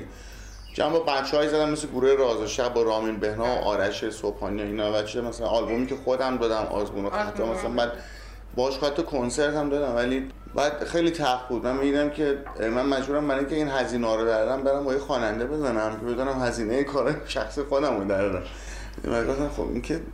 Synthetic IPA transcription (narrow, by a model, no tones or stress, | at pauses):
d͡ʒæ̰mbobæt̪t͡ʃʰːeɒːjizæd̪æmːesleɡuːɾujeɾɒːzeʃæbɒɾɒːmiːnbehnɒːo̰ʔɒ̰ːɾæʃesopʰɒːnioiːnɒvæt͡ʃʰiemæsælæ̰nɒlbomiːcʰexod̪æmd̪ɒːd̪æmʔɒ̰ːzbṵːnoxæt͡ʃʰɒmæsælænbæːd̪ | bɒhɔʃxɔhæt̪ʰːekʰonseɾt̪hæmd̪ɒːd̪æmvæli | bæːd̪xejlit̪ʰæɾfbuːd̪mænmid̪iːd̪æmcʰe̞ | mænmæd͡ʒbuːɾæmbæɾɒːjiŋkʲcʰe̞iːnɦæziːnɔːɾod̪æɾd̪æmbeɾæmbɒːjexɒːnænd̪ebe̞zænæmcʰe̞bed̪unæmhæziːnejekʰɒːɾɒːjeʃæxsixod̪æmod̪æɾd̪æm̰ | mæɡoft̪æmxo̰bḭːncʰe